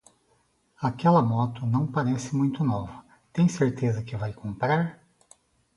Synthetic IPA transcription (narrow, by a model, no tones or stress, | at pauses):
akɛlɐmɔt̪ʊnɐ̃w̃paɾɛsɪmũj̃t̪ʊnɔvʊ̥ | t̪ẽj̃seɾt̪ezɐkɪvajkõmpɾaɾ